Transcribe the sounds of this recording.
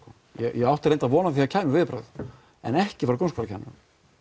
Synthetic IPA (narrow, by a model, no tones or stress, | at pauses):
jɛ̰jɛɣawht̪aɾejnt̪aðvɔːnaθiacʰaːjmʏvɪːðpɾa̰ð | ɛ̰nɛhcɪfaɾkownskpɾacʰajm̰